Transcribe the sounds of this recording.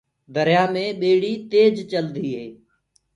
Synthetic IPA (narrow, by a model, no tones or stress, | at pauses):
d̪əɾjaːmẽːɓeːɽiːt̪eːd͡ʒt͡ʃəld̪iːɦeː